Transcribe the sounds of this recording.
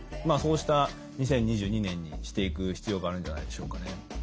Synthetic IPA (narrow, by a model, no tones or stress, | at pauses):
maːso̞ːɕi̥t̪a | ɲ̟isẽɲ̟ːiʑɨːɲ̟inẽ̞ɲ̟ːḭɕi̥t̪e̞ikɯ̟çi̥t͡sɨjo̞ːɡaːɾɯ̟̃nd͡ʑanaid̪e̞ɕo̞ːkane̞